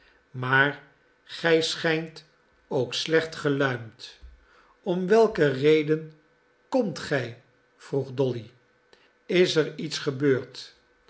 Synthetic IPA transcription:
maːɹ | χɛjsχɛjnt | owkslɛχtχəlœɥmt | ɔmʋɛlˠkərejdən | kɔmtχɛj | v̥ruχdɔli | ɪsəɹitsχəbøːɹt

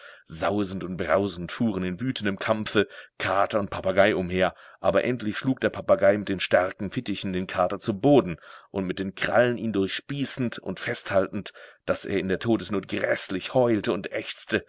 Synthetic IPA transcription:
zaʊzn̩tʊnt̚b̥ʁaʊzn̩tfuːʁənɪnvyːtʰən̩dəmkʰamfəkʰaːtɐʊnt̚pʰapaɡaɪʔʊmheːɐʔa̰ːbɐʔɛntlɪçʃluːk̚d̥eːɐpʰapaɡaɪmɪt̚d̥eːnʃtaʁkŋ̩fɪtɪçn̩deːnkʰaːtɐt͡suboːdn̩ʔʊntmɪt̚d̥eːnkʁ̥a̰ləniːndʊɐçʃpiːsn̩tʊ̰ntfɛsthaltn̩td̥asʔḛːɐɪndeːɐtʰoːdəsnoːt̚ɡ̥ʁɛslɪçhɔʏltəʊntʔɛçt͡stə

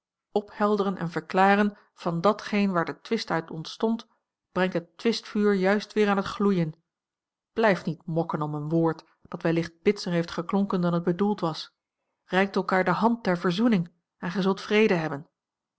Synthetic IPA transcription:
ɔphɛlˠdərənʔɛ̰nvəɹklaːrən | v̥ɑndɑtχejnʋaːɹdətʋɪstœɥtɔntstɔnt | b̥rɛŋtɦətːʋɪstfyːɹjœɥstʋɪːɾaːnɦətχlujən | b̥lɛjftnitmɔkənɔmənʋoːɹt | d̥ɑtʋɛlɪχt̚b̥ɪtsəɹɦejftχəklɔŋkəndɑnɦəd̚bədulˠtʋɑs | rɛjk̚tɛlˠkaːɹdəɦɑnt̚dɛɹvəɹzunɪŋ | ɛnχɛzɵlˠtfrejdəɦɛbən

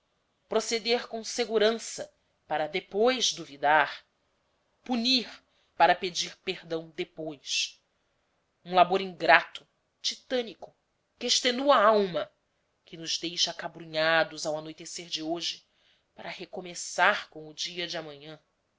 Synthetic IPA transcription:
pɾosed̪eɾkõseɡuɾɐ̃sɐ | paɾɐd̪epojzd̪uvid̪aɾ | puniɾ | paɾɐped͡ʒiɾpehd̪ɐ̃w̃d̪epojs | ũlaboɾĩŋɡɾat̪ʊ̥ | t͡ʃit̪ɐ̃nikʊ | kɪeʃt̪enuɐawmɐ | kɪnʊzd̪ejʃɐakabɾuɲad̪ʊzawanojt̪eseɾd͡ʒɪoʒɪ | paɾɐhekomesaɾkõw̃ʊd͡ʒiɐd͡ʒɪɐmɐ̃ɲɐ̃

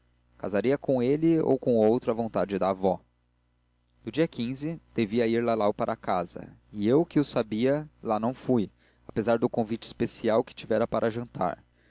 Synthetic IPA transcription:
kazaɾiɐkõelɪo̰wkõowt̪ɾɐvõnt̪ad͡ʒɪd̪avɔ | d̪ʊd͡ʒiɐkĩzɪd̪̥eviɐiɾlɐlawpaɾʔɐakazɐ̰iewkɪʊsabiɐlanɐ̃w̃fuj | apezaɾd̪ʊkõvit͡ʃɪ̥spesiawkɪ̥t͡ʃivɛɾɐpaɾʔɐʒɐ̃nt̪a̰ɾ

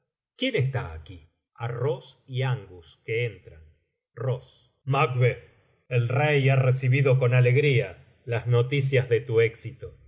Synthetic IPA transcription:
kjenest̪aːki | arosiaŋɡuskeent̪ɾan | ros | makβeθ | elrejaresiβiðo̞ko̞nale̞ɣɾia | lazno̞t̪is̬jazðe̞t̪ueksit̪o

